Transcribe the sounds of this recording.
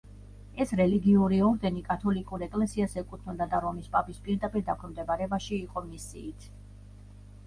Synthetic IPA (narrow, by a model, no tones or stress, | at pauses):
ɛsɾɛliɡiuɾiɔɾd̪ɛnikʼat̪ʰɔlikʼuɾɛkʼlɛsiasɛkʼut̪ʰnud̪ad̪aɾɔmispʼapʼispʼiɾd̪apʼiɾd̪akʰɛmd̪ɛbaɾɛbaʃiːqʼɔmisḭːt̪ʰ